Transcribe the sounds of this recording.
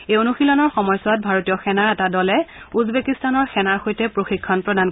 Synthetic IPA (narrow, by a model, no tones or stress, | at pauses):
ejonuxilɔnɔɹxɔmɔjsɔwat̚bʱaɹotijɔxɛnaɹɛtadɔlɛ | uzbekistanɔɹxɛnaɹxojtɛpɹoxikʰːɔnpɹɔdan